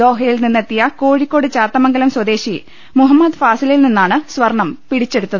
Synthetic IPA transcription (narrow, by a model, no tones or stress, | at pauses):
d̪o̞ːɦɐjilninːet̪ːijɐko̞ːɻikʲːo̞ːɽɨt͡ɕaːrt̪ːɐmɐŋɡɐlɐmswɐd̪e̞ːɕi | muɦɐmːɐd̪faːsililninːaːɳɨsʋɐrɳɐmpiɽit͡ɕːe̞ɽut̪ːɐðɨ